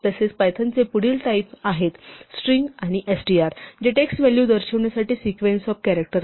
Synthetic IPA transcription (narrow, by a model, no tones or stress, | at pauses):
t̪əset͡spajt̪ʰənt͡sepuɽiːlʈaipaɦet̪sʈɾiŋɡaɽ̃iʔesɖiaɾd͡ʑeʈeksʋɛljud̪əɾɕəʋɳjasaʈiːsikʋensɔfkæɾək̚ʈəɾ